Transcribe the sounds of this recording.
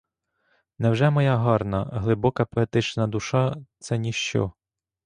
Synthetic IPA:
nɛwʒɛmɔjɑɦɑrnɐ̰ɦlˠɪbɔkɐpɔet̪ɪt͡ʃnɐd̪ʊʃɑt̪sɛnʲiʃt͡ʃɔ̰

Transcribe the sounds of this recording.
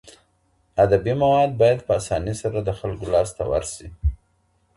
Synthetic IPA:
ad̪abimawɑd̪̚bɑjad̪pəasɑnisaɾad̪əxalkolɑst̪awa̰ɾsi

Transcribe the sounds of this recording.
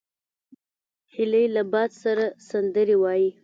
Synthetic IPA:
hɪləjlabɑd̪saɾasand̪əɾewɑji

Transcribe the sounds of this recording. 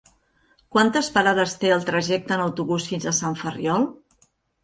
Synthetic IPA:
kwant̪əspəɾaðəst̪eəlˠt̪ɾəʒɛk̚t̪əːnəwt̪uβusfinzəsaɱfəriɔlˠ

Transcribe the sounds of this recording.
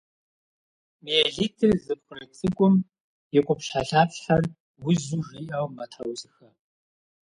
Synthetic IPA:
mijɛɮitʰɨrzɨkʷxʷʊrɐt͡sʼɨɡʷʼʊm | jɛkʷʼʊpɬaɬaːpħɐr | wʊzuʐiʔɐwmɐtʰɐwsʼɨxɐ

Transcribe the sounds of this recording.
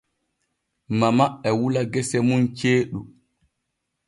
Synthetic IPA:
mamaɓːɛwulaɡɛsɛmunt͡ʃeːɗu

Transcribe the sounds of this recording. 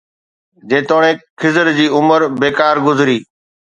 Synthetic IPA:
d͡ʑẽːt̪oːɽ̃ẽːkʰɪzəɾd͡ʑiːʊməɾbeːkaːɾɡʊzɾiː

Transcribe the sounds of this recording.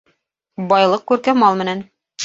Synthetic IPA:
bɒjlˠɤqkʉɾkæmɑlˠmɘ̆næn

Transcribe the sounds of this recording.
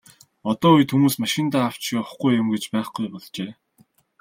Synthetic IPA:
ɔt̪ɔːujt̪xumuːsmaʃɪ̆nt̪aːaw̥t͡ɕiʊχɡujːʊ̆mɡet͡ɕpæːχɡujpɔɮt͡ɕeː

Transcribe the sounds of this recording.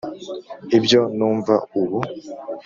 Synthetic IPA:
ibjo̞nuːɱva̰uβu

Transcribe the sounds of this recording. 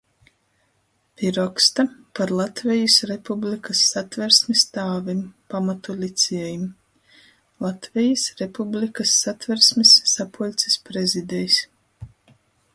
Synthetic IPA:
piɾɔkst̪apaɾlˠat̪vʲɛjisɾepublikasːat̪vɛɾsmist̪aːvimpamat̪ulʲit̪sʲiɛjim | lˠat̪vʲɛjisɾepublʲikasːat̪vɛɾsmisːapulʲt̪sʲi̥spɾezid̪ɛjsʲ

